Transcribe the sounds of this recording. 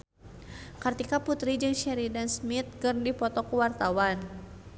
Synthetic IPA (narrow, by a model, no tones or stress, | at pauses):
kart̪ikaput̪ɾid͡ʒɨŋʃɛɾidansmit̪̚kɨrdipɔt̪ɔkuwart̪awan